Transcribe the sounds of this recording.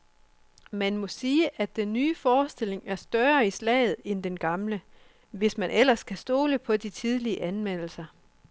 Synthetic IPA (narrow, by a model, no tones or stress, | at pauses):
mænmɔ̽siːəʔædd̥enːyːfɒːsd̥e̝le̝ŋæɐsd̥ɶɐislɛ̰ːð̞̩ˠend̥enɡ̥ɑ̈mlə | ʋe̝smænʔel̰ɐskʰæsd̥o̝ːləpʰɒ̽dit͡sʰið̞ˠliəʔænmen̰l̩sɐ